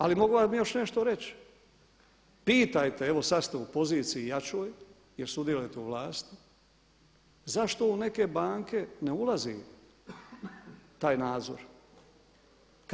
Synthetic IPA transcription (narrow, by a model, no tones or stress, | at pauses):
alimo̞ɡuʋamijo̞ʃne̞ʃt̪o̞ɾe̞t͡ɕ | piːt̪ajt̪e̞eʋo̞sast̪eupo̞ziːt̪sijijat͡ʃo̞ːj | jeɾsud̪jelejt̪euʋlˠaːst̪i̥ | zaʃt̪o̞une̞ke̞baːŋke̞neulˠazḭ | t̪aːjnaːd̪zo̞̰ɾ | k